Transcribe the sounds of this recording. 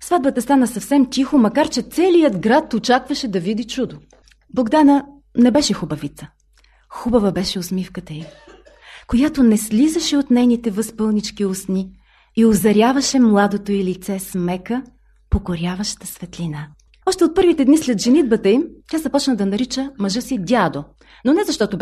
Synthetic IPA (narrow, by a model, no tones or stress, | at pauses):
svad̪̚bət̪ɐst̪anəsɐfsɛmt̪ʲixʊmɐkaɾt͡ʃɛt̪sɛlijəd̪ɡɾat̪ot͡ʃakvɐʃɛd̪ɐvid̪it͡ʃud̪o | blˠoɡd̪anə | nɛbɛʃɛxubɐvit̪sə̥ | xubɐvəbɛʃɛosmifkət̪əim | kojat̪onɛslizəʃɛot̪nɛjnit̪ɛvəspɤlˠnit͡ʃkiosni | iozɐɾʲjavɐʃɛmlˠad̪ot̪oilit̪sɛsmɛkə | pokoɾjavɐʃt̪əsvɛt̪lina | ɔʃt̪ɛot̪̚pɤɾvit̪ɛd̪nislɛd̪ʒɛnid̪bət̪əimt̪ʲazɐpɔt͡ʃnɐd̪ɐnɐɾit͡ʃəmɐʒɤsid̪ʲad̪o | nonɛzɐʃt̪ɔt̪ʊb